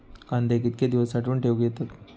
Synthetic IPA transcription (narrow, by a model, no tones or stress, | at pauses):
kand̪ekit̪̚kjad̪iʋəsːaʈʰiuːɳʈʰeʋɡjet̪at̪